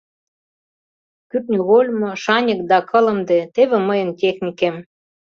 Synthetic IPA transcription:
kyt̪nʲuɣolʲmoʃɑnʲə̆k̚d̪ɑkɤ̆lə̆md̪ĕt̪eβĕməjə̆ntʲexnʲikem

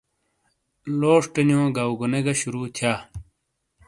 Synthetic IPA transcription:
loːʂʈenjõːɡawɡuneɡɐɕuɾuːt̪ʰjaː

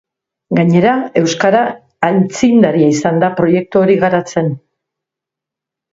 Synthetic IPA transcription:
ɡaɲe̞ɾae̞wskaɾaː | lt͡sind̪aɾiaisand̪apɾo̞je̞k̚t̪uoɾiɣaɾat͡se̞n

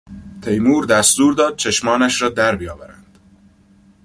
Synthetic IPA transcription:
t̪ʰe̞jmuːɾd̪æst̪uːɾd̪ɒːd̪̥̚t͡ʃʰe̞ʃmɒːnæʃɾɒːd̪æɾbijɒːvæɾænd̪̥

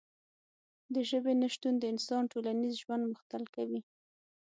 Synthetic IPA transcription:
d̪əʒəbenaʃt̪und̪əɪnsɑnʈolanizʒwand̪mʊxt̪alkawi

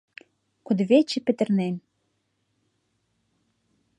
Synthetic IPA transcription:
kud̪βet͡ɕɘ̆pɘ̆t̪ɘ̆rnen

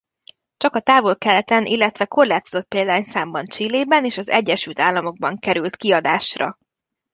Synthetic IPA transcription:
t͡ʃɒkɒt̪aːvo̞lkɛlɛt̪ɛnʔilːɛt̪ʋɛko̞rlaːt̪o̞zot̪̚peːld̪aːɲsaːmbɒnt͡ʃileːbɛneːʃɒzɛɟːɛʃylt̪aːlːɒmo̞ɡ̚bɒŋkɛɾylt̪kiɒd̪aːʃrɒ̰

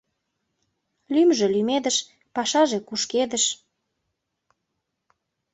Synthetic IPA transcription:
lymʒĕlymed̪əʃ | pɑʃɑʒekuʃked̪əʃ

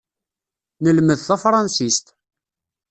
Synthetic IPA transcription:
nəlməðθæfɾˤɑnsist̪

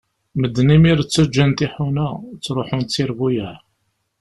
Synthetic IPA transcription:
məd̪ːnimiɾt͡sːæd͡ʒːənt̪iħunæt͡sːɾoħʊnt͡sːiɾvujæ

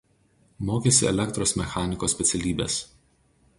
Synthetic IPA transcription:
moːkʲesʲɪɛ̰lʲɛkt̪ɾoːsmʲɛxɑːnʲɪkoːsʲpʲɛt̪sʲɛlʲiːbʲḛs

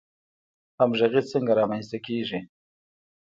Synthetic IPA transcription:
hamʒaɣit͡səŋɡaɾɑmanst̪akeːʐi

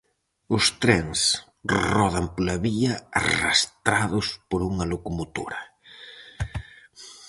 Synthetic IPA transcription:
ʊst̪ɾɛŋs | rɔðɐmpolɐβiɐa̰ra̰st̪ɾaðʊspoɾuŋɐlokomot̪o̰ɾɐ

